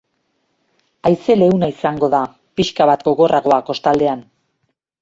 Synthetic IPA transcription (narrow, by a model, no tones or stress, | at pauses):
ajse̞le̞unaisaŋɡo̞ða | piʃkaβat̪ɡo̞ɣo̞rʔaɣo̞ako̞st̪ald̪e̞an